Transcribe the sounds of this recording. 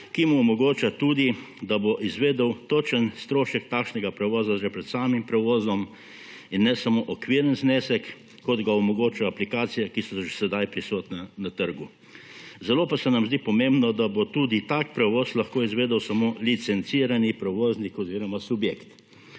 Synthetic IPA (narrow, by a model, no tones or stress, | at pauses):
kimuɔmɔɡoːt͡ʃat̪ud̪i | d̪aboʔizʋeːd̪əwt̪oːt͡ʃənst̪ɾoːʃək̚t̪aːkʃnɛɡapɾɛʋɔːzaʒɛpɾɛt̪saːmimpɾɛʋoːzɔm | inːɛsɐmoːʔɔkʋiɾənzneːsɛkː | ɔd̪ɡaɔmɔɡoːt͡ʃaaplikaːt̪sijɛkisɔʒesɛd̪ajpɾisoːt̪nanat̪əɾɡu | zɛloːpasɛnamzd̪ipɔmẽmbnɔd̪abot̪uːd̪it̪aːk̚pɾɛʋoːslɐxkoːizʋeːd̪əwsamolit̪sɛnt̪siːɾanipɾɛʋoːznikɔziːɾɔmasubjeːkt̪